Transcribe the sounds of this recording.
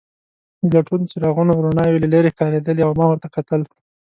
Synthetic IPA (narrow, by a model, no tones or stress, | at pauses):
laʈunt͡ʃeɾaɣunoɾonɑjolalaɾexkɑɾed̪əliawmɑwəɾt̪akat̪əl